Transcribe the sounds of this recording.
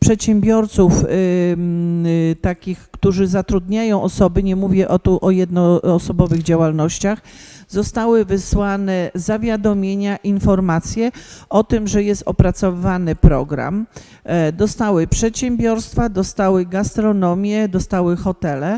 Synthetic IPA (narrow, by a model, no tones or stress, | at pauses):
pʂɛt̪ɕɛmbʲjɔɾt̪suf | t̪akʲixkt̪uʐɘzat̪ɾud̪ɲajɔ̃w̃ʔɔsɔbɘɲɛmuvʲjɛʔɔt̪uʔɔjɛd̪nɔːsɔbɔvɘɣd͡ʑawalnɔɕt͡ɕaxzɔst̪awɘvɘswanɛzavʲjad̪ɔmʲjeɲaʔinfɔɾmat̪sʲjɛɔt̪ɘmʐɛjɛst̪ɔpɾat̪sɔvɘvanɘpɾɔɡɾa̰m | d̪ɔst̪awɘpʂɛt̪ɕɛmbʲjɔɾst̪fad̪ɔst̪awɘɡast̪ɾɔnɔmʲjɛd̪ɔst̪awɘxɔt̪ɛlɛ